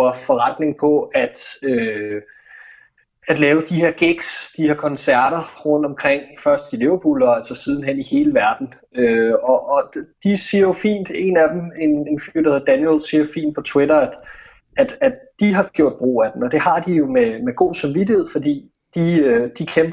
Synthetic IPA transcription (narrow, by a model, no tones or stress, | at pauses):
ɐfɒ̽ʁɑd̥ne̝ŋpʰɒ̽æd̥ø | æd̥lɛːʊəd̥ihe̝ɐɡ̥eɡ̥sd̥iheɐkʰɒ̽nsæɐ̰ɾ̥ɐʁɔ̽n̰d̥ɒ̽mkʰʁeŋ̰fɶɐsd̥d̥ile̝ʊɐb̥ulɒælsɐsið̞ˠn̩ɦen̰ihe̝ːləʋæɐd̥n̩ | øɒʔɒd̥isiɐjo̝fḭːnd̥e̝̰næd̥eme̝ne̝nfy̰d̥ɑæheðˠd̥ænjelsiɐjofḭːnd̥̚pʰɒ̽t͡sʰwe̝ɾɐæd̥ | æd̥æd̥d̥iɦɑ̈ɡ̥jo̝ɐ̰d̚b̥ʁo̝̰ːæd̥emɒ̽d̥e̝hɑ̈d̥ijo̝memeɡ̥o̝̰ːsɑ̈mʋidihe̝ð̰ˠfɒ̽d̥ḭː | d̥iød̥ikʰemb̥